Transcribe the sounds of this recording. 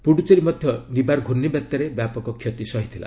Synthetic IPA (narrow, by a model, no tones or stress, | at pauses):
puɽut͡ʃɔɾimɔd̪ʱjɔnibaɾɡʱuɾnːibjat̪ːjaɾebjapɔkɔkʰːjɔt̪isɔɦit̪ʰila̰